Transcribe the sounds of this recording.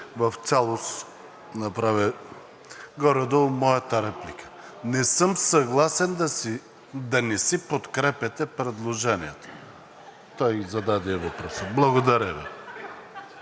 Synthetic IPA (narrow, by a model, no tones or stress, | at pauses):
vɐft̪sʲalˠos | nɐpɾavɛ | ɡɔɾɛd̪omɔjɐt̪ɐɾɛplikə̥nɛsɤmsɐɡlˠasɛnd̪ɐ | d̪ɐnɛsipot̪kɾɛpʲɛt̪ɛpɾɛd̪lˠoʒɛnijɛt̪o̥ | t̪ɔjzɐd̪ad̪ɛɛvɐpɾɔsəblˠɐɡod̪ɐɾɛvɛ̰